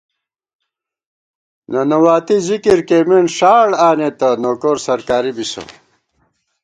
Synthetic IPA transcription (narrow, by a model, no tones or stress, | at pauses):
nɐnɐwaːt̪izikiɾkeːmenʂaːɽaːnet̪ɐnoːkoːɾsɐɾkaːɾibisɐ̰